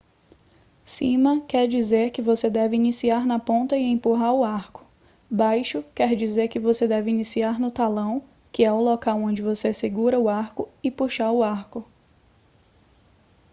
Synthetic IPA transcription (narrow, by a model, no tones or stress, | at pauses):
sĩmɐkɛɾd͡ʒizeɾkɪvosed̪ɛvɪinisiaɾnɐpõnt̪ɐɪẽpuɦaɾʊaɾkʊ̥ | bajʃʊkɛɾd͡ʒizeɾkɪvosed̪ɛvɪinisiaɾnʊt̪alɐ̃w̃ | kɪɛʊlokawõd͡ʒɪvoseseɡuɾɐʊaɾkʊɪpuʃaɾʊaɾkʊ